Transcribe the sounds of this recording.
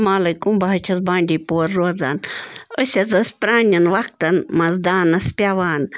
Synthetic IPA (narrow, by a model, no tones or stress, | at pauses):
maːlɐjkumbɐɦɐt͡ʃʰɐzbãːɳɖʲiːpoːɾːoːd͡zaːnəsʲɐzɐspɾaːnʲɐnʋak̚t̪ɐnmɐzd̪aːnɐspʲjaʋaːn